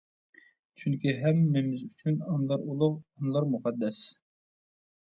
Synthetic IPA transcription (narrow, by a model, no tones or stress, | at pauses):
t͡ʃʰyŋkʲiɦɛmːɪmɪzyt͡ʃʰynɑnlˠɑɾulˠʊqɑnɨlˠɑɾmuqɑd̪ːɛs